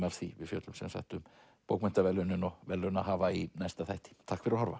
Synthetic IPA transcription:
maɾ̥θivɪðfjœːt̪lʏmsɛ̰msa̰jht̪ʏm | powkmɛnt̪avɛlːœnɪnɔɣvɛlːœnaɦaːvainajst̪aθajht̪ɪ̥t̪ʰahkfɪɾʏɾhɔɾva̰

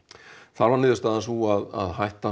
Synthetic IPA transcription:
θaɾvaɾnɪːðʏst̪aːðansvuaða̰ðɦajht̪a

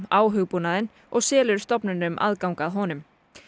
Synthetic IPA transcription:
aːwɦʏɣpunaðɪn | ɔɣsɛːlʏɾ̥st̪ɔpnʏnʏmʔa̰ðkawŋkaðɦɔːnʏm

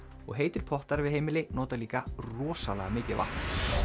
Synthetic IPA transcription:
ɔ̰ɣɦeːjt̪ɪɾ̥pʰɔht̪aɾvɪðɦeːjmɪlɪnɔːt̪aliːkarɔːsalɛ̰ɣamɪːcɪva̰ht̪n

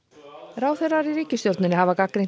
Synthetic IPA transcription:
ɾaːwθɛrːaɾiɾiːcɪst̪jowɾt̪nʏnɪɦavakakɾeŋ

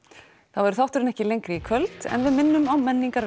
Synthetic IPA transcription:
θavɛɾʏ̥θawht̪ʏɾɪnɛhcɪlejŋkɾɪikʰvœlt̪ɛ̰nvɪðmɪnːʏmawmɛnːiŋkaɾ

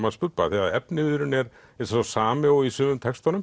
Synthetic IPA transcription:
maðspʏpːaθiaðɛpnɪɾʏnɛɾ | ɛsɛsasaːmɪɔisʏːmʏmt̪ʰɛkst̪ɔnʏm

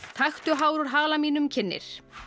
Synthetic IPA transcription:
t̪ʰajxt̪ʏɦaːwɾuɾɦaːlamiːnʏmcʰɪnːɪ̰ɾ̥

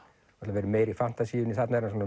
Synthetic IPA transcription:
ɔt̪lavɛːɾʏmeːjɾifan̥t̪asiʏniθat̪naɛɾas̬uːna

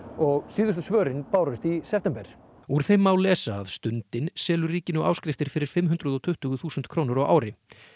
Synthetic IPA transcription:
ɔɣsiːðʏst̪ʏsvœːɾɪnpaːwɾʏst̪isɛft̪ɛmpɛɾ̥ | uɾ̥θejmːaːwlɛːsaːðst̪ʏnt̪ɪnsɛːlʏriːcɪnʏʔa̰ːwskɾɪft̪ɪɾ̥fɪɾɪɾ̥fɪmɦʏnt̪ɾaðɔt̪ʰʏht̪ʏɣʏθuːsʏnt̪kʰɾoːwnʏɾɔwʔa̰ːwɾɪ

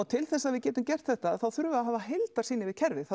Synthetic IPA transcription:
ɔt̪ʰɪlθɛsːaðvɪðcɛːt̪ʏmcɛr̥t̪θɛht̪aðθawθʏɾvʏaðɦaːvaɦejlt̪aɾsiːnɪvɪðcʰɛɾvɪθa

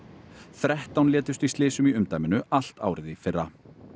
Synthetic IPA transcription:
θɾɛht̪awnljɛːt̪ɪʏ̥st̪ist̪lɪːsʏmiʏmt̪ajmɪnʏal̥t̪a̰ːwɾɪðɪfɪrːa

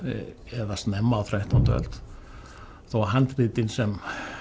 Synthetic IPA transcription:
ɛðast̪nɛmːaθɾajht̪ʰant̪œ̰lt̪ | θawaɦant̪riːt̪ɪnsɛm

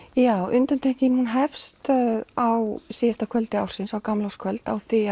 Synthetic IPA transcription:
jaːwʔʏnt̪ant̪ʰehcɪnhunɦɛfst̪awsist̪akʰvœlt̪ɪawsɪnsawkamlɔwskʰvœlt̪awθia

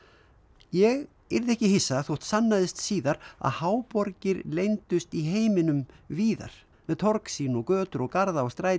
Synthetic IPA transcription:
jɛɣ | ɪɾðɛhcɪhɪjsːaθowht̪sanːaðɪst̪siːðaɾa̰ðhaːwpɔɾcɪɾlejnt̪ʏst̪iɦeːjmɪnʏmviːða̰ɾ̥ | mɛðt̪ʰɔɾksiːnɔɣkœːt̪ʏɾɔɣkaɾðaɔwst̪ɾaːj

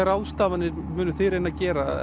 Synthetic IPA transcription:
ɛɾawðst̪aːvanːɪmʏːnʏθɪɾejnacɛːɾa

